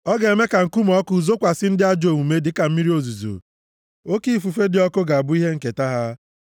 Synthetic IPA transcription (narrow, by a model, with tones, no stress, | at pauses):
ɔ˦ɡe˨e˨me˦ka˨ŋ̩˨ku˦mɔ˦kʊ˨˦u˨zo˦kʷa˨sɪ˦n̩˦dɪ˦a˦d͡ʒo˨mu˨me˦dɪ˦ka˨m̩˦mi˦ɾi˦o˨zu˨zo̰˨ | o˦ki˦˨fu˨fe˦dɪ˨˦ɔ˦kʊ˦ɡa˨a˨bʊ˦i˦ɦe˦ŋ̩˨ke˨ta˦ɦa˦